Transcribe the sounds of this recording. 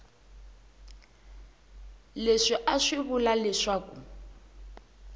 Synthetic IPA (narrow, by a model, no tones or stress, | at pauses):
leʂɪʔaʂɪβʊlalɪʂaːkṵ